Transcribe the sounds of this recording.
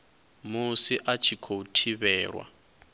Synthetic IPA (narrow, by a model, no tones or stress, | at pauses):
musiʔat͡ʃʰikʰoutʰiβɛːɺwa̰